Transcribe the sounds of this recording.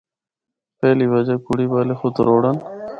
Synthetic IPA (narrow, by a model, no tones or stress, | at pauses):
peːlibəd͡ʑakuɽiːbaːlexʊt̪ɾoːɽən